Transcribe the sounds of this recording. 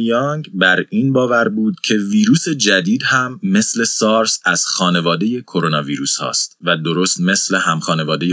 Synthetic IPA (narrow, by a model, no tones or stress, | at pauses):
jɒŋɡbæɾiːnbɒːvæɾbuːd̪̥̚cʰe̞viːɾuːse̞d͡ʒæd̪iːd̪hæmːe̞sle̞sɒːɾsæz̥xɒːne̞vɒːd̪e̞je̞kʰo̞ɾo̞nɒːviːɾuːshɒ̰ːst̪væd̪o̞ɾoːst̪me̞sle̞ɦæmxɒːne̞vɒːd̪eje